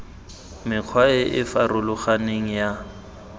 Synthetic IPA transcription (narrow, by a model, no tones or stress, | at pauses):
mɪq͡χʰwaɪʔɪfarʊlʊχaneŋ̩ja